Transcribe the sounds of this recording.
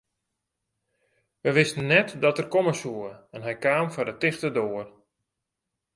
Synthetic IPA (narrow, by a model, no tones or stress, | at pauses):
ʋəʋɪstənːɛtdɔtərkoməsuəɛnɦɛjkaːmfɔrdətɪxtədoːər